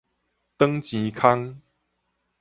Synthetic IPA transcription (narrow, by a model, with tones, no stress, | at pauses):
t̪ə˦ŋt͡ɕĩ˨˦kʰa˦ŋ